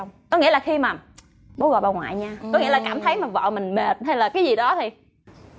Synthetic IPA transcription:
wŋ͡mkɔ˨˦ŋḭ˧˥əlaː˨˩xi˧maː˨˩ | ɓo˨˦ɣɔ̰˧˨jɓaː˧˩ŋwa̰ː˧˨jɲaː˧kɔ˨˦ŋḭ˧˥əlaː˨˩kaː˧˩mt̪ʰə˨˦jmaː˨˩vɔ̰˧˨mï˨˩ŋ̟me˨˩t̚ha˧jlaː˨˩kaː˨˦jzi˨˩ɗɔ˨˦t̪ʰi˨˩

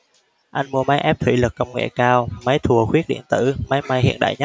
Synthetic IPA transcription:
ʔa˧jŋ̟mu˧əma˨˦jʔɛ˦˥p̚t̪ʰwi˧˩lɨ˨˩k̚kːə˧wŋ͡mŋḛ˧˨kaː˧wma˨˦jt̪ʰu˨˩əxwi˦˥ət̚ɗḭ˧˨ənt̪ɨ̰˧˩ma˨˦jma˧jhḭ˧˨ənɗa̰ː˧˨jɲa˦˥

